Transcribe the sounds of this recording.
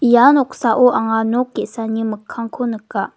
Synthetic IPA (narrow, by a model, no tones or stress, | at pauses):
janoksaʔoʔaŋanokːisaɲəməkʰaŋkʰonəkːa